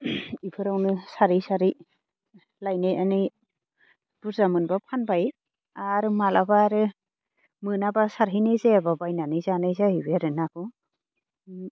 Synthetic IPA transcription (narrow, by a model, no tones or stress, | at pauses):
ipʰɯɾawnɯsaɾisaɾi | lajnejani | b̥ɯɾzamɯnbapʰanbaj | aɾɯmalʔabaɾɯ | mɯnabasaɾɦinɯjzajababajnanɯjzanajzahibeɾɯnakʰu